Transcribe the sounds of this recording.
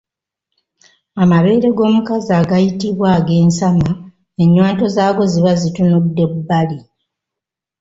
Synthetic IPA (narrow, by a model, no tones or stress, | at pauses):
amaβe̞ːɾe̞ɡo̞ːmukazaːɡajitiβwaːɡe̞ːnsama | e̞ɲːwaːnto̞zaːɡo̞ziβazitunudːe̞ubali